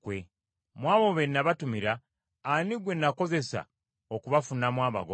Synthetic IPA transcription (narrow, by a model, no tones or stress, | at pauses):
kwe | mwaːβo̞βennaβatumiɾaː | niɡwe̞nːako̞ze̞sa̰ | okuβafunamwaːβa̰ɡo